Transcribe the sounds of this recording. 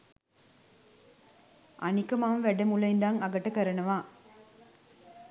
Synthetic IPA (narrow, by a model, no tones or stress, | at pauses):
ʔɐnɪkɐmaːʋmʋɛɖɐmulɐjɪnd̪aːnɐɡɐʈːɐkɐɾɐnɐʋãː